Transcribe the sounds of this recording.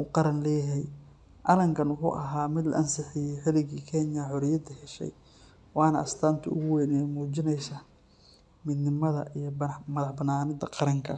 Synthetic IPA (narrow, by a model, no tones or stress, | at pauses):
uːqɑɾɐnlɛːɦɛj | ʔɐlɐŋkʰɐnwʊħṵːʔɐɦaːmɪd̪lɐ̰ʔɐnsɪħɪjɛjħɪlɪɣiːkʰɛnjɐħɔɾɪjɐd̪ɐhɛʃɛ̰j | wɑːnɐʔɐst̪ʰaːnt̪ʰʊʊ̰ɣʊwɛːnɛmuːt͡ʃɪnɛjsaː | mɪd̪nɪmɐðɐ̰ʔijɞbmɐðɐħbɐnaːnɪd̪ɐqɑɾɐŋkʰɐ